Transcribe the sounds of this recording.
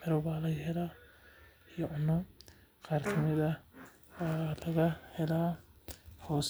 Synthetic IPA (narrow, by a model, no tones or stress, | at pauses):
ħɪɾɔβaːlɐjɦɛlaː | ijɔʕʊnɔ | qɑːrkʰɐmɪðɐ | lɐɣɐhɛlaː | hɔːs